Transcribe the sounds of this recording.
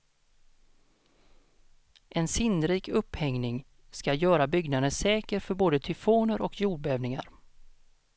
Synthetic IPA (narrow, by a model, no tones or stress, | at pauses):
ʔɛnsɪnəɾiːkɵphɛŋnɪŋ | skajœːɾabʏɡnad̪əsɛːkəɾfœɾboːd̪ət̪ʰʏfoːnəɾʔɔkʰjuːɖ̚bɛːvnɪŋa̰ɾ